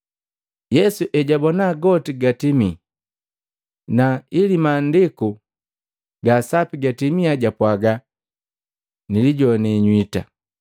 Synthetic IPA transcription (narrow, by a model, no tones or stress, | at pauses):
jɛsuʔɛɟabɔnaːɡɔtiɡatimi | nailimaːndiku | ɡaːsapiɡatimiaɟapwaɡa | niliɟɔnɛɲwita